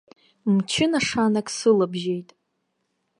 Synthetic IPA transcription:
mt͡ʃʰɪnaʂanakʼsɨlabʒejtʼ

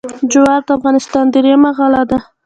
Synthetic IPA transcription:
d͡ʒʊwɑɾd̪afɣɑnɪst̪ɑnd̪əɾemaɣɑlad̪a

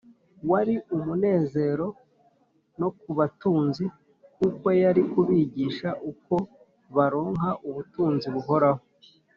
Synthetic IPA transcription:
waɾiumune̞ːze̞ɾo̞ | no̞k̚uβatuːnzi | kuko̞jaɾikuβiːɟiʃaʔuko̞ | βaɾo̞ːŋɦaʔuβutuːnziβuɦo̞ɾaho

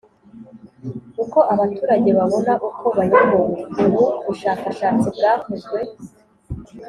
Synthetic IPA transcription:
kuko̞ʔaβatuːɾaɟe̞βaβo̞naʔukʰo̞βaɾimouɡuɾuβuʃaːkaʃaːt͡sibɡaːkuzɡwe̞

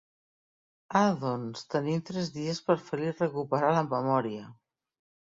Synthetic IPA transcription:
aðonst̪ənimt̪ɾɛzðiəspəɾfəlirəkupəɾaləmːəmɔɾiə

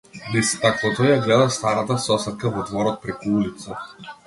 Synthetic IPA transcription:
nɛsɛt̪akvˠɔt̪ɔjjaɡlɛd̪ast̪aɾat̪asɔsɛt̪̚kavɔd̪vɔɾɔt̪̚pɾɛkuulit̪sa

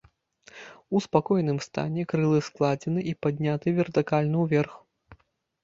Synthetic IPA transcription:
uspakɔjnɨmst̪a̰nʲɛkɾɨlˠɨsklˠad͡zʲɛnɨʔipad̪ʲnʲat̪ɨvʲɛrt̪ɨkalʲnɨwvʲɛrx

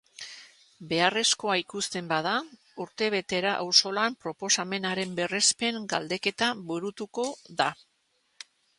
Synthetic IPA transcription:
be̞are̞sko̞aikust̪e̞mbað̞a | uɾt̪e̞β̞e̞t̪e̞ɾaʔawso̞lampɾo̞po̞same̞naɾe̞mbe̞re̞spe̞ŋɡald̪e̞ke̞t̪aβuɾut̪uko̞ða

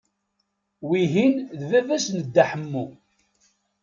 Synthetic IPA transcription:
wiɦinðvævæsnəd̪ːaħəmːu

